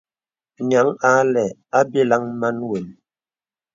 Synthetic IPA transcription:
nja˨˦ŋa˨˦lɛ˨a˦bi˦la˦ŋ˦ma˦nwe˨n

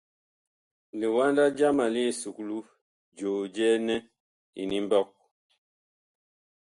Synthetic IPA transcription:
li˨wa˦nda˦d͡ʒa˦ma˨li˦˨su˨klu˦ | d͡ʒoː˨d͡ʒɛ˦nɛ˦ | ḭ˨ni˦m˦bɔ˦˨k̚

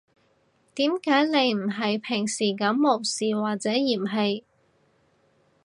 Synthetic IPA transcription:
t̪iː˨˥mkaː˨˥jne˨˧jm̩˨˩ɦɐ˨jpʰɪ˨˩ŋsiː˨˩kɐ˨˧˥mːo˨˩wsiː˨waː˨t͡sɛː˨˥jiː˨˩mɦɐ˨j

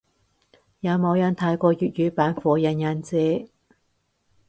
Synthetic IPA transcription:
jaː˨˧mo˨˧wjɐ˨˧nt̪ʰa˨˧˥jkɔː˧jyː˨t̚jyː˨˧˥paː˨˥nfɔː˨˧jɐ˨˧njɐ˨˧nt͡sɛː˧

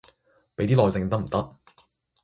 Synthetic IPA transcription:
pe˨˥jt̪iː˥lɔː˨˧jsɪ˧ŋt̪ɐ˥k̩̚˨˩t̪ɐ˥k̚

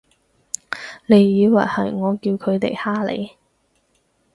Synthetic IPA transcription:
le˨˧jːiː˨˧wɐ˨˩jhɐ˨˩jŋɔː˨˧kiː˧wkʰɵ˨˧ɥt̪e˨jhaː˥lḛ˨˧j

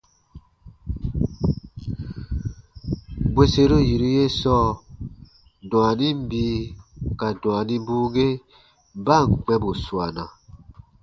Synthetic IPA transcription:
bwe˦se˦ɾo˦ji˨ɾi˦je˦sɔ˦˨ | dw̃a˨nĩ˦m˦biː˨˦ka˨dw̃a˨nĩ˦buː˦ɡe˦ | ba˦˨ŋ˨k͡pɛ˦bo˨swa˨nã˨

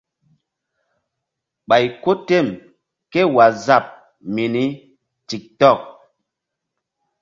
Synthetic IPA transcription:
ɓa˨jko˦te˦˨m | ke˦wa˨za˦˨p̚ | mi˨ni˦ | ti˨k̚tɔ˦˨k̚

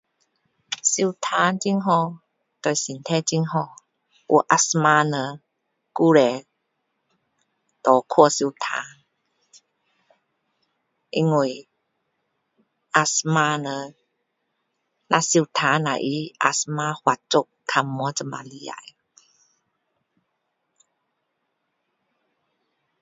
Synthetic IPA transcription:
si˧wt̪ʰaː˧˦nt͡ɕi˧˥ŋɦɔ˧˨ | t̪ɔ˧˩jsi˨nt̪ʰɛ˦˥t͡ɕi˧˥ŋɦɔ˧ | ʔṵ˧˨ʔa˧sma˧nə˧˦ | ku˦˧˨lɛ˨˩ | t̪ɔ˨˦kʰu˧˨si˧wt̪ʰa̰ː˧˦n | ʔi˧ŋo˧˩˨j | ʔa˧sma˧nə˧ | na˧si˧˨wt̪ʰa˨˦na̰˨ʔi˧˦ʔa̰˧sma˧˦hwa˧˨t͡ʃo˧˦kkʰa˧mːɔ˧˦t͡sə˧˨ma̰˧˨li˧˦a̰˨˧˨j

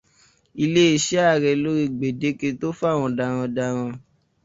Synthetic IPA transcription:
i˧le˦i˦˨ʃɛ˦a˦˨ɾɛ˨˧lo˦ɾi˧ɡ͡be˨de˨˦ke˧to˦fa˦˨w̃ɔ̃˧da˧ɾ̃ã˧da˧ɾ̃ã˧

